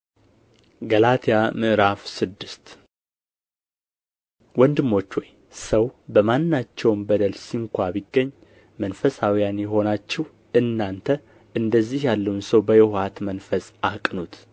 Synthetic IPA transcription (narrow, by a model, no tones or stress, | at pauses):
ɡəlat̪ʰijamɨʔɾafsɨd̪ːɨst̪ | wɔnd̪ɨmːo̞t͡ʃːwɔj | səwbəmanːat͡ʃːɛwmbəd̪əlsiŋkʷʰabiɡːəɲː | mənfəsawijanjɛɦo̞nat͡ʃːɛh | ɨnːant̪ʰə | ʔɨnd̪əzːihjalːəwunsəwbəjɛhat̪mənfəsʼakʼnut̪